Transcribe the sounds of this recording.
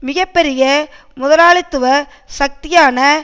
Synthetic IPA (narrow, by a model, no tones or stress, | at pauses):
mɪɣɐpːɛɾɪjɐ | mʊðɐlaːɭɪt̪ːɯʋɐ | sɐk̚t̪ɪjaːnɐ